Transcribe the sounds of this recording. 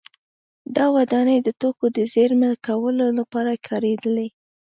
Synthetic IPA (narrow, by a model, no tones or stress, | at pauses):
d̪ɑwad̪ɑnəjd̪ət̪okod̪əzeɾməlkawəlolapɑɾakʰɑɾed̪əle